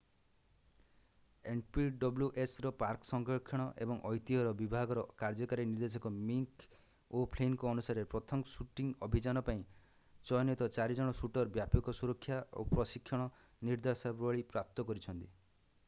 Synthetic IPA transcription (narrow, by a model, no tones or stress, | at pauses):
eɳpiɖɔbljuʔesɾɔpaɾksɔŋkɔkʰːjɔɽ̃ɔʔebɔŋʔɔjt̪iɦɔɾɔbibʱaɡɔɾɔkaɾd͡ʒɔkaɾiniɾd̪es̬ɔkɔmiŋk | opʰlenkɔːnusaɾepɾɔt̪ʰɔmsuʈiŋɔbʱid͡ʒanɔpaĩ | t͡ʃɔjɔnɔt̪ɔt͡ʃaɾid͡ʒɔɽ̃ɔsuʈɔɾbjapɔkɔsuɾɔkʰːjao̰pɾɔsikʰːjɔɽ̃ɔ | niɾd̪asabaɭipɾap̚t̪ɔkɔɾit͡ʃʰɔnt̪i